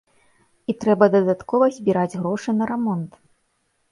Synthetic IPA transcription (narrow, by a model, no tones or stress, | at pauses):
it̪ɾɛbɐd̪ɐd̪at̪kɔvɐzʲbʲiɾad͡zʲɣɾɔʂɨnɐɾɛmɔnt̪